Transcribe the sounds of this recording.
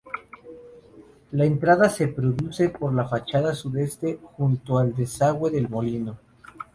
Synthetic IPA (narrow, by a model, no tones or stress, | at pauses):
lae̞nt̪ɾaðase̞pɾo̞ðuse̞po̞ɾlafat͡ʃaðasuðe̞st̪e̞xunt̪oald̪e̞saɣwe̞ðe̞lmo̞lino̞